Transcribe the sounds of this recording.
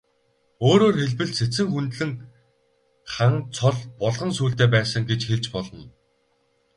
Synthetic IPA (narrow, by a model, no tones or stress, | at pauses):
oːɾoːrxeɮpɘ̆ɮset͡sɘ̆ŋxunt̪ɮɘ̆ŋ | χant͡sʰɔɮpɔɮʁɞ̆nsuːɬt̪eːpæːsə̆ŋɡet͡ɕxeɮt͡ɕpɔɮɞ̆n